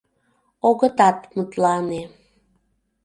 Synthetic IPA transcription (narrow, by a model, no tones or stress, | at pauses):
oɣət̪ɑt̪mut̪lɑne